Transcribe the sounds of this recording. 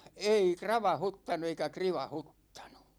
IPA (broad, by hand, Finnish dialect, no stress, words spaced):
ei krɑʋɑhutːɑnu eikæ kriʋɑhutːɑ̥n̥u̥